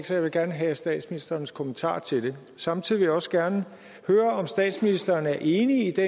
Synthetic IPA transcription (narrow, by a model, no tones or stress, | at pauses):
ɡ̥sɒjɑɪʋe̝ɡ̥æɐnəɦɛsd̥ɛ̰ːd̥sminisd̥ɐːnəskʰomənt͡sʰɑ̰̈ːt͡sʰe̝ld̥e̝ | sɑ̈mt͡sʰiðˠiʋejɑ̈ɒ̽səɡ̥æɐnə | høːɐɒ̽msd̥ɛ̰ːd̥sminisd̥ɐːnæɐʔe̝ːniid̥e